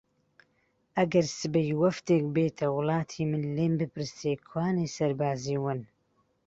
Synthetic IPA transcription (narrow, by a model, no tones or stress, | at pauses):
ʔɐɡɐɾsɨbɐjwɐft̪eːk̚beːt̪ʰɐwʊlˠɑːt̪ʰiːmɨnleːmbɨpʰɨɾseːkʰwaːneːsɐɾbaːziːwɨn